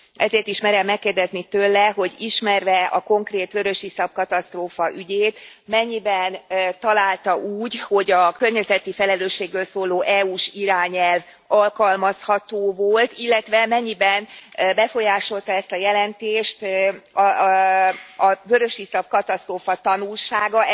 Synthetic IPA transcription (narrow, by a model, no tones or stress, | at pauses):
ɛzeːrt̪iʃmɛɾɛmːɛkːeːrd̪ɛznit̪øːlːɛɦo̞ɟiʃmɛrʋɛɒ̰ko̞ŋkreːt̪ʋøɾøʃisɒp̚kɒt̪ɒst̪roːfɒʔyɟeːt̪mɛɲːibɛnt̪ɒlaːlt̪ɒʔuːɟho̞ɟɒkørɲɛzɛt̪ifɛlɛløːʃːeːɡrøːlsoːloːʔɛuʃiɾaːɲɛlv | ɒlkɒlmɒshɒt̪oːvolt̪ilːɛt̪ʋɛmɛɲːibɛnbɛfo̞jaːʃo̞lt̪ɒɛst̪ɒjɛlɛnt̪eːʃt̪ | ɒvøɾøʃhisɒp̚kɒt̪ɒst̪roːfɒt̪ɒnulʃaːɡɒ